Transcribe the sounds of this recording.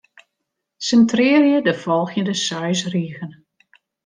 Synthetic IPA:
səntrɪːrjədəfɔlˠxjəndəsœɥsriəɣən

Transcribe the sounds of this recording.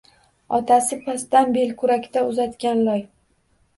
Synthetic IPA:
ɒt̪ʰasɪpʰasd̪anbe̞lkʰʊɾakʲt̪aʊzat̪kʲanlɒj

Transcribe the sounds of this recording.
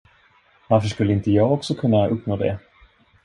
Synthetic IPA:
vaɾfəʂkɵlːəɪnt̪əjɑːɡɔksɔkʰɵnːaɵpːnoːd̪ɛ̰

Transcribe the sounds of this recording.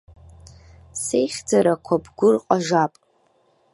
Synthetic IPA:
se̞jχʲd͡zaɾakʷʰabɡʷʊrqʼaʒapʼ

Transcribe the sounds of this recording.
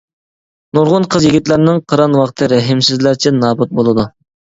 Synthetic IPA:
noɾʁʊnqʰəzjeɡʲit̪læɾnɪŋqʰəɾɑnwɑqt̪ʰɨɾɛɦɪmsɪzlæɾt͡ʃʰɛnɑːbut̪̚bolˠɨd̪u

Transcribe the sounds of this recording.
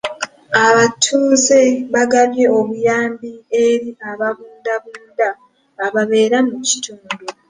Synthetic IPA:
aβatʰuːze̞βaɡaβje̞o̞βujaːmbieɾiaβaβuːndaβuːndaː | βaβe̞ːɾamuci̥tʰuːndu

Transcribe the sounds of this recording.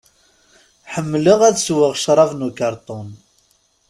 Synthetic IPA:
ħəmːləʁæðswəʁʃɾˤɑvnukɑɾˤt̪ˤʊn

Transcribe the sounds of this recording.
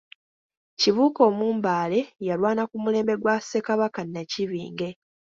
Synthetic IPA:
ciβuːko̞ːmuːmbaːle̞jalwaːnakumule̞ːmbe̞ɡwase̞kaβakanːaciβḭːŋɡe̞

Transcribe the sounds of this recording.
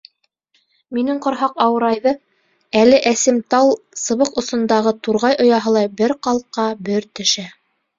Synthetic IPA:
minɘŋqŏɾɦɑqɑwɤ̆ɾɑjðɤ | ælɘʔæsɘmt̪ɑlˠsɤ̆βɤqŏsŏnd̪ɑʁɤt̪uɾʁɑjʔŏjɑɦɤ̆lˠɑjbɘɾqɑlˠqːɑbɘɾt̪ɵ̆ʃæ

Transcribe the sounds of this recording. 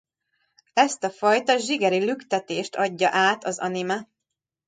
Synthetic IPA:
ɛst̪ɒfɒjt̪ɒʒiɡɛɾilykt̪ɛt̪eːʃt̪ɒɟːɒʔaːt̪ɒzɒ̰nimɛ

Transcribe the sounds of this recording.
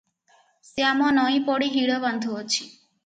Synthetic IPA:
seamɔnɔĩpɔɽiɦiɽɔband̪ʱuɔt͡ʃʰi̥

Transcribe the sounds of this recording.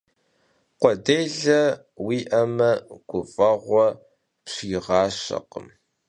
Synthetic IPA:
qʷɔdeːɮɐ | wiːʔɐmɐɡ̥ʷʊfʼɐʁʷɔ | pɕjɪʁɑːɕɐ̰qəm

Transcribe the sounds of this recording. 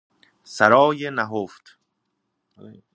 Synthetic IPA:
sæɾɒːjenæɦoft̪

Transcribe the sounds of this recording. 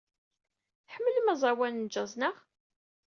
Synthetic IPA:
ħəmːələmæzˤɑwænnd͡ʒːɑzˤnəʁ

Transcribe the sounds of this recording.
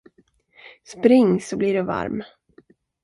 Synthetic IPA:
spɾɪŋːsɔbliɖɵva̰ɾm

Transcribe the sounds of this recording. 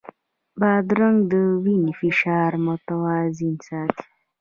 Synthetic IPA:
baːd̪ɾaŋɡd̪əwinifiʃaːɾmʊt̪awaːzinsaːt̪i̥

